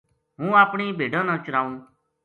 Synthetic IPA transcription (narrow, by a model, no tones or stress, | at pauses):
ɦũːaːpɳiːbʱeːɖãːnãːt͡ʃəɾaːũː